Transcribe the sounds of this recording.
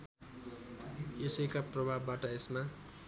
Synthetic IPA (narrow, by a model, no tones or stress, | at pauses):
esekaprʌbʱabːaʈʌesma